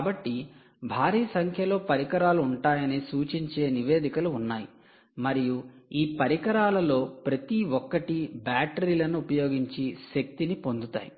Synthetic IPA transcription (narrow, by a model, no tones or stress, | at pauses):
kaːbɐʈːi | bʱaːɾiːsɐŋkʰjɐlo̞ːpɐɾikɐɾaːluuɳʈaːjɐnisuːt͡ʃiɲt͡ʃe̞ːniʋe̞ːd̪ikɐluːnːaːji | mɐɾijuiːpɐɾikɐɾaːlɐlo̞ːpɾɐt̪iʋɔkːɐʈibaːʈɐɾiːlɐnuːpɐjo̞ːɡiɲt͡ʃiʃek̚t̪inipo̞nd̪ut̪a̰ːji